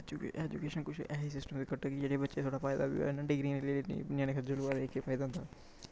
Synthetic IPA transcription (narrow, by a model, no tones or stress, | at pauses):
d͡ʒ̰ɛd͡ʒukeːʃənkʊt͡ʃʰʔɛːɦisɪsʈəmbikəɾʈ̪aːkid͡ʒeːɽebətːʃet̪ʰoːɽaːpaːjd̪a̰ːbḭɛnaɖɪɡɾiːɾelḛʊnjaːneːkʰəd͡ʒoluaɾeːkːefaːjd̪ãːnd̪aː